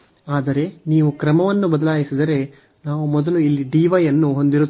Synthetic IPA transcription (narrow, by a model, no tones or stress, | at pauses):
aːd̪ɐɾe̞niːʋukɾɐmɐʋɐnːubɐd̪ɐlaːjisid̪ɐɾe̞ | naːʋumɔd̪ɐluilːiɖiːʋɐjɐnːuɦo̞nd̪iɾu